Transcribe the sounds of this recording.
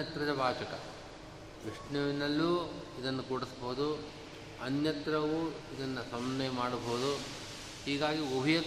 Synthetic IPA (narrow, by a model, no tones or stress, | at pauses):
ɐt̪ɾɐd͡ʒɐbaːt͡ʃɐkɐ̰ | ʋiʂnɐʋinɐlːuːid̪ɐnːukuːɽisbɐɦud̪u | ɐnjɐt̪ɾɐʋuid̪ɐnːɐsɐmnɐjɐmaːɽɐbɐɦud̪u | hiːɡaːɡiobʱijɐ